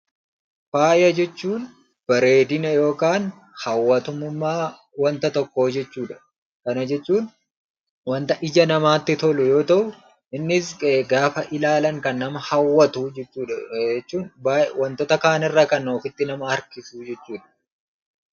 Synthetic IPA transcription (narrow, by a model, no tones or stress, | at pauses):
faːjɐd͡ʒɛt͡ʃːuːn | b̥ɐɾeːd̪ɪnɐjo̞ːkaːn | hɐwːɐt̪ʊmʊmːaː | wɐnt̪ɐt̪ɔkːo̞ːd͡ʒɛt͡ʃːuːᶑɐ̥ | kɐnɐd͡ʒɛt͡ʃːuːn | wɐnt̪ɐʔɪd͡ʒɐnɐmaːt̪ːɪt̪ɔlʊjo̞ːt̪ɐʔʊ | ʔɪnːɪsɡaːfɐʔɪlaːlɐŋkɐnːɐmɐhɐwːɐt̪uːd͡ʒɛt͡ʃːuːᶑɐɛt͡ʃːuːnbawɐnt̪ɔt̪ɐkaːnɪrːaːkɐnoːfɪt̪ːɪnɐmɐɐɾkɪsuːd͡ʒɛt͡ʃːuːᶑɐ̥